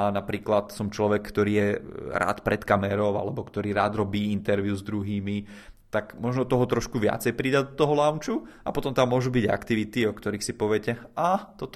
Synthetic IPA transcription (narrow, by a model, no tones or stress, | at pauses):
anapɾiːklat̪sɔmt͡ʃlɔʋɛkːt̪ɔɾiːjɛɾʔa̰ːt̪pɾɛt̪kamɛɾɔʊa̰lɛbɔkt̪ɔɾiːɾaːd̪ɾɔbiːint̪ɛɾʋjuzd̪ɾuɦiːmit̪aɡmɔʒnɔt̪ɔɦɔt̪ɾɔʃkuʋɪa̰t͡sɛjpɾid̪ad̪ɔt̪ɔɦɔlaʊnt͡ʃuapɔt̪ɔmt̪amːʊɔʒubiɟa̰kt̪iʋit̪iɔkt̪ɔɾiːxsipɔʋɛcɛat̪ɔt̪